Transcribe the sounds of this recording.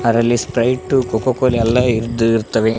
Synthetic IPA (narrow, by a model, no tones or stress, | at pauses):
ɐɾɐlːispɾɐjʈːukokokoliɛlːɐiɾd̪ɾt̪ːɐʋe